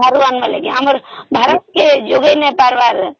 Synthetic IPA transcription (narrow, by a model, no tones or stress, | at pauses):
aɾuanʋalekeɦaməɾbʱaːɾət̪̚ked͡ʒoɡəjnẽpaɾʋaɾ